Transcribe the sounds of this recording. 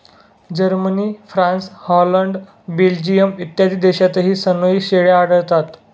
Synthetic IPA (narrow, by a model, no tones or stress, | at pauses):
d͡ʑəɾməniːfɾãnshɔləɳɖ | bild͡ʑijəmit̪jad̪iːd̪eɕat͡s̪əɦiːsənəiɕeɭjaːɽəɭt̪at̪